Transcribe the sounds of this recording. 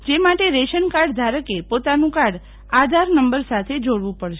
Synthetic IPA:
d͡ʒemaʈeɾeʃənkaɾɖd̪ʱaɾəkepot̪anũkaɾɽ | ad̪ʱaɾnəmbəɾsat̪ʰed͡ʒoɽʋũpəɽʃe

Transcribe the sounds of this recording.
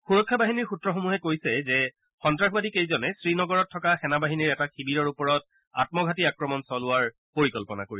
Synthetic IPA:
xuɹɔkʰːabaɦiniɹxutɹɔxomuɦɛkojsɛzɛ | xɔntɹaxbadikejzɔnɛsɹinɔɡɔɹɔtʰːɔkaxɛnabaɦiniɹɛtaxibiɹɔɹupɔɹɔt | a̰t̚mɔɡʱatiakɹɔmɔnsɔlʊaɹ | poɹikɔlpɔna̰koɹisɛ

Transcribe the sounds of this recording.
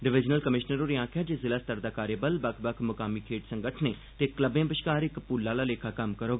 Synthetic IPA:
ɖɪʋɪd͡ʒnəlkəmɪʃnəɾoːɾiãːkʰɪjaːd͡ʒeːzɪlaːst̪əɾd̪aːkaːɾjəbəlbəkʰbəkʰmʊkaːmiːkʰeːʈsəŋɡəʈʰneː | t̪eːkləbẽːpəʃkaːɾɪkpuːlːaːlaːleːkʰaːkəmkəɾoːɡaː

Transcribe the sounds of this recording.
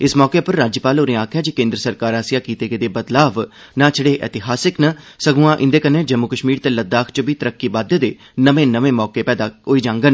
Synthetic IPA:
ɪsmɔːkeːpəɾːaːd͡ʒəpaːloɾẽːaːkʰjaːd͡ʒikẽːnd̪ɾəsəɾkaːɾaːsijaːkiːt̪eːkeːd̪eːbət̪laːʋ | nãːt͡ʃʰəɽeːʔɛ̰ːt̪ɪɦaːsɪknə | səɡũːãːʔɪ̃nd̪eːkəneːd͡ʒəmːukəʃmiːɾt̪eːləd̪ːaːkʰt͡ʃəbiːt̪əɾəkːiːbaːd̪ed̪eː | nəʋẽːnəʋẽːmɔːkeːpɛːd̪aːɦoiːd͡ʒãːŋɡən

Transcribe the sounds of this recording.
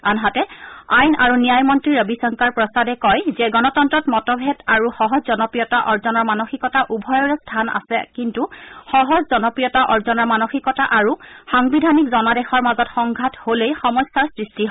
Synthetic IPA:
anɦatɛajna̰ɹunijajmɔntɹiɹəbisɔŋkaɹpɹɔsadɛkɔjzɛɡɔnɔtɔntɹɔtmɔtɔbʱɛdaɹuxɔɦɔzzɔnɔpɹijɔtaʔɔɹzɔnɔɹmanoxikɔtaʔubʱɔjɔɹɛstʰana̰sɛkintuxɔɦɔzzɔnɔpɹijɔtaʔɔɹzɔnɔɹmanoxikɔtaʔaɹuxɔŋbidʱanikzɔnadɛxɔɹmazɔtxɔŋɡʱatholejxɔmɔsːaɹsɹistiɦɔ

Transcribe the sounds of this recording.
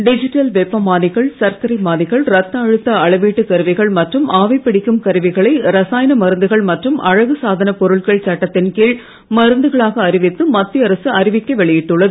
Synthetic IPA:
ɖɪd͡ʒɪʈːɐlʋɛpːɐmaːnɪɣɐɭsɐɾkɐɾɪmaːnɪɣɐɭɾɐt̪ːɐːɻɯt̪ːɐɐɭɐʋiːʈːɯk̪ɐɾɯʋɐɪɣɐɭmɐʈrɯmaːʋɐɪpːɪɽɪkːɯmkɐɾɯʋɪɣɐɭɐɪɾɐsaːjɐnɐmɐɾɯnd̪ɯɣɐɭmɐʈrɯmʔɐɻɐɣɯsaːðɐnɐpɔɾɯɭkɐɭt͡ʃɐʈːɐt̪ːɪnkiːɭ | mɐɾɯnd̪ɯɣɐɭaːɣɐːɾɪʋɪt̪ːɯmɐt̪ːɪɐɾɐsɯɐɾɪʋɪkːɐʋɛɭɪjɪʈːɯɭːɐðɯ

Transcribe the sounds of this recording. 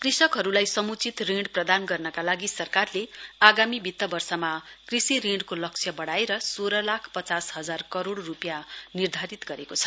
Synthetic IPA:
krisʌkɦʌɾulajsʌmut͡sit̪riɳɖprʌd̪anɡʌrnʌkalaɡisʌrkarleaɡamibʱit̪ːʌbʌrsʌmakrisiɾeɳɖkolʌk̚sʰjʌbʌɽaeɾʌsoɾʌlakʰpʌt͡sasɦʌd͡zarkʌɾoɽrupjanird̪ʱaɾit̪ɡʌɾekot͡sʰʌ̥

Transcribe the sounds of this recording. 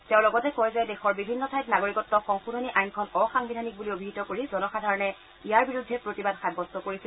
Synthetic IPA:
tɛʊ̃lɔɡɔtɛkɔjzɛdexɔɹbibʱinːɔtʰajtnaɡoɹikɔtːɔxɔŋxudʱoniʔajnkʰɔnɔxaŋbidʱanik̚buliobʱiɦitɔkoɹizɔnɔxadʱaɹɔnɛ | ijaɹbiɹudʱːɛpɹotibadxabɔstɔkoɹisɛ

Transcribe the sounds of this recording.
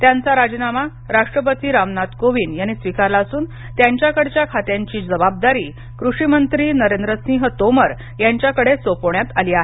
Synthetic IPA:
t̪jant͡saɾad͡ʑnama | ɾaʂʈɾəpət̪iːɾamnat̪koʋiːnjañisʋikaɾlaəsuːn | t̪jaɲt͡ɕjakəɽt͡ɕjakʰat̪jãɲt͡ɕiːd͡zəbab̚d̪aɾiː | kɾuɕimənt̪ɾiːnəɾend̪ɾəsĩŋɦət̪oməɾ | jaɲt͡ɕjakəɽesopoɳjat̪aliːaɦe

